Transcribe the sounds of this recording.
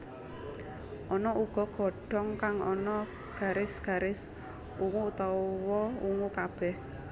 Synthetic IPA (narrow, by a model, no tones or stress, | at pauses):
ʔɔnɔʔuɡ̥ɔ̤ɡ̥ɔ̤ɖ̥ɔ̤ŋkaŋɔnɔ | ɡ̥a̤ɾɪsɡ̥a̤ɾɪs | uŋut̪ɔwɔuŋukab̥ɛh